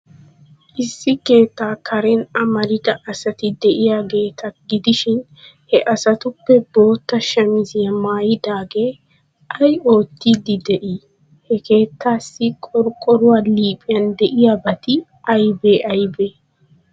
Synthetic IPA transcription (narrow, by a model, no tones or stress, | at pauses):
ʔɪsːɪke̞ːt̪ːaːkʰɐɾɛnɐmɐɾɪd̪ɐʔɐsɐt̪ɪd̪ɛʔɪjaɡe̞ːt̪ʰɐɡɪd̪ɪʃɪn | hɛʔɐsɐt̪ʊpːɛbo̞ːt̪ːɐʃɐmɪzɪjɐmaːjɪd̪aːɡe̞ː | ʔɐjo̞ːt̪ːiːd̪ɪd̪ɛʔiː | hɛke̞ːt̪ːaːsːɪkʼɔɾkʼɔɾʊwaːliːpʼɪjɐnd̪ɛʔɪjabɐt̪ɪ | ʔɐjbeːʔɐjbeː